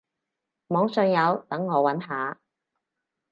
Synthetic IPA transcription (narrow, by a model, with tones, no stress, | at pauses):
mɔː˨˥ŋsœː˨˧ŋjɐ˨˧wt̪ɐ˨˥ŋːɔː˨˧wɐ˨˥nɦaː˨˧